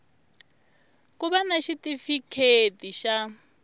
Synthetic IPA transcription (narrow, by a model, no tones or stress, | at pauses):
kuβanaʃitifikʰetiʃa